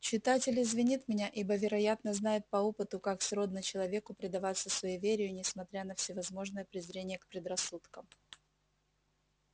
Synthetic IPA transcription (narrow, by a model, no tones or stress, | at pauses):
t͡ɕɪt̪atʲɪlʲɪzvʲɪnʲit̪mʲɪnʲaʔibəvʲɪɾɐjat̪nəznajʊt̪̚pɐopɨt̪ʊkaksro̞d̪nət͡ɕɪlˠɐvʲe̞kʊpɾʲɪd̪ɐvat̪səsvɐivʲeɾʲɪjʊnʲɪsmɐt̪ɾʲanəfsʲɪvɐzmo̞ʐnəjəpɾʲɪzɾʲenʲɪjəkpɾʲɪd̪rɐsːut̪kəm